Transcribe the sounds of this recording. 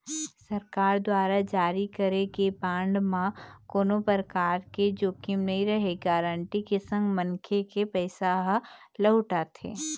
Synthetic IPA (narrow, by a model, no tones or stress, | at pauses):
sɐɾkaːɾd̪waːɾad͡ʒaːɾikɐɾekebãːɳɖmãkoːnopəɾkaːɾked͡ʒoːkimnɐɦĩɾɐɦeːɡaɾəɳʈikesə̃ŋɡmə̃ŋkʰekepɛːsaɦləɦʊʈat̪ʰḛː